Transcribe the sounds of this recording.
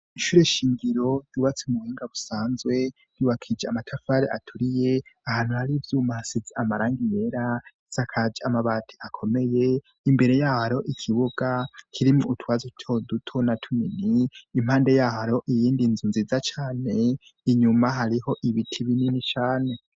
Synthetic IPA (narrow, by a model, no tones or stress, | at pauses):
iʃuɾe̞ʃiːŋɡiɾo̞juːβat͡semuβhiːŋɡaβusaːnzwe̞ | juwakʰid͡ʒeamatʰafaɾeʔa̰tʰuɾije̞ahaːn̥uhaɾivjuːmahasizeamaɾaːŋɡije̞ɾa | z̥akʰad͡ʒamaβaːtʰeʔakʰo̞me̞je | imbe̞ɾe̞jaːhaɾoʔikʰiβuɡ̥akʰiɾimuːtwaːzutʰodutʰo̞natʰuminiːm̥haːnde̞jaːhaɾo̞ʔijiːndinzunziːzat͡ʃaːne̞ | iɲumaɦaɾiho̞ʔiβitʰiβininit͡ʃaːne̞